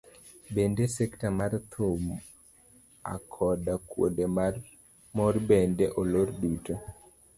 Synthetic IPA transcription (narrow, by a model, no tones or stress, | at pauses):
bendesektamaɾt̪ʰom | a̰kʰɔdakwo̰dem | mɔrbɛndeʔoloɾduto